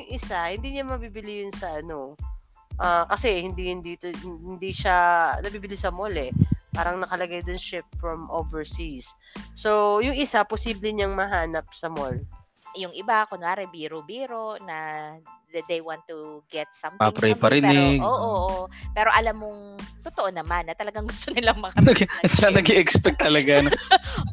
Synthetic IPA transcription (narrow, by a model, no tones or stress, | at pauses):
jʊŋʔɪsahɪnd̪iːɲamɐbibɪlɪjʊnsɐʔɐno̞ | ʔaːkɐsɛhɪnd̪ihɪnd̪iːt̪ohɪnd̪iʃanɐbiːbɪlisɐmolɛpaːɾɐŋnɐkɐlɐɡajd̪onʃɪpfɹɐmʔovɛɹsis | sojʊŋʔɪsaposiːblɛɲaŋmɐɦaːnɐp̚sɐmol | jʊŋʔɪbakonaːɾɛbiːɾobiːɾonɐ | d̪ejwãnt̪ːuɡɛt̪̚sɐmpapɾɛjpɐɾɪnɪɡoːʔoʔpɛːɾo̞ʔɐlamːoŋt̪ot̪oʔonɐmanːɐt̪ɐlɐɡaŋɡʊst̪onɪlaŋmɐkɐʃanɐɡɛʔɛkspɛk̚t̪ːɐlɐɡano